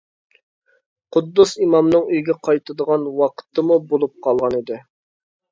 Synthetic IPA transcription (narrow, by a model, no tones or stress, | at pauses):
qʰʊd̪ːusimɑmnɨŋyjɡʲɛqʰɑjt̪ʰɨd̪əʁɑnwɑqʰə̥t̪ʰːəmubolˠup̚qʰɑlˠʁɑnid̪ɪ